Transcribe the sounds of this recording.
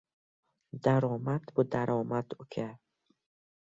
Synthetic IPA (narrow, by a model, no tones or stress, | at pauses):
d̪aɾɔːmad̪bud̪aɾɔːmad̪ukʰe